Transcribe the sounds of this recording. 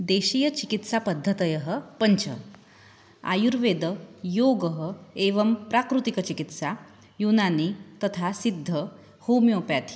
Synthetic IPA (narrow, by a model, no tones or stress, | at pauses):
d̪eɕijət͡ɕikit̪sapəd̪ʱːət̪əjəɦəpəɲt͡ɕʰə̰ | a̰juɾʋed̪əjoɡəɦəeʋəmpɾakɾut̪ikət͡ɕikit̪sa | junanit̪ət̪ʰasid̪ʱːə | homjopjat̪ʰi̥